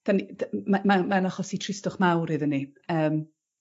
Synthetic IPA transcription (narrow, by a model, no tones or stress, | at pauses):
d̥anidamamamanaχɔsitʰrɪstʊχmawɾɨðəniəːm